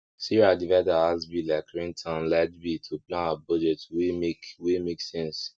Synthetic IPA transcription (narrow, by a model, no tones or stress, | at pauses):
siɾadivadaasbilakɾĩntʰãnladbitʰoplãnabɔd͡ʒɛtwemekwemeksɛ̃ns